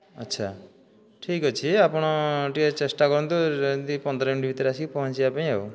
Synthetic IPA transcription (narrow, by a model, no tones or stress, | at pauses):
ʌ̰tːt͡ʃʰa | ʈʰikɔt͡ʃʰiapɔɽ̃ɔʈiet͡ʃesʈakɔɾɔnt̪ud̪ipɔnd̪ɾɔuɳʈibʱit̪ɔɾasikipɔɦɔnt͡ʃiapãĩew